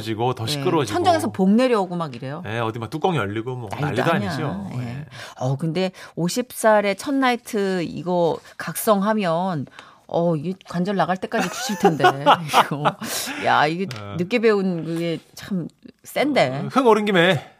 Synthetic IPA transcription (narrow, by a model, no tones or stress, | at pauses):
d͡ʑiɡotʌɕʰik͈ɯɾot͡ɕiʌnd͡ʑʌŋe̞sʰʌpoŋne̞ɾjʌɡomaɡiɾe̞joeʌdimak̚t͈uk͈ʌŋiʌʎːiɡomwʌ̰a̰a̰ɲad͡ʑoje̞ʌkɯnde̞oɕʰip̚s͈aɾe̞t͡ɕʰʌnːaitʰɯḭɡʌkak̚s͈ʌŋɦamjʌn | ʌiɡekwand͡ʑʌɭːaɣaɭt͈e̞k͈ad͡ʑit͡ɕu̥ɕʰiɭtʰndeiɡoja̰iɡe̞nɯk͈e̞be̞unkɯɡe̞t͡ɕʰams͈e̞nde̞hɯŋoɾɯnɡime